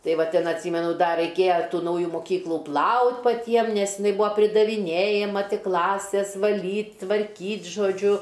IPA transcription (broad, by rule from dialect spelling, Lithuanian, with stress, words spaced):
ˈtɐɪ ˈʋɐ ˈtʲɪn ɐtʲˈsʲiːmʲɛnʊ ˈdɐ rɐɪˈkʲeːjɛ ˈtuː ˈnɐʊjʊ moːˈkʲiːklˠʊ ˈplˠɐʊtʲ pɐˈtʲiɛm nʲɛs ɪˈnɐɪ ˈbuːɐ pʲrʲɪdɐʋʲɪˈnʲeːjɛmɐ ˈtʲɪk ˈklˠɑːsʲeːs ʋɐˈlʲiːtʲ tʋɐrʲˈkʲiːtʲ ʒoːˈd͡ʒʲʊ